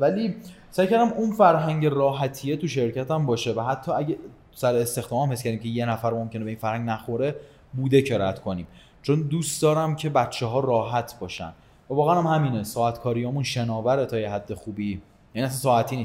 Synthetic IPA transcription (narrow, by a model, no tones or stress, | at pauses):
væli | sæjkʰæɾd̪æmunfæɾɦæŋɟerɒːɦæt̪ʰijet̪uʃe̞ɾcæt̪æmbɒːʃe̞væɦæt̪ʰːɒːæɟe | sæɾeːst̪e̞xd̪ɒːmæmhescʰæɾd̪imcʰeje̞næfæɾmo̞mcʰʲe̞nebe̞iːnfæɾhæŋɡnæxo̞ɾe | buːd̪e̞cʰeɾæd̪kʰo̞niːm | t͡ʃʰond̪uːsd̪ɒːɾæmcʰe̞bætt͡ʃʰːeɦɒːɾɒːɦæt̪ʰbɒːʃæ̰n | vævɒːɣæænæmhæmiːnesɒːæt̪kʰɒːɾijɒːmunʃenɒːvæɾet̪ʰɒːjeɦæd̪ːe̞xuːbiː | jæniæs̬ænsɒːæt̪ʰiːniːs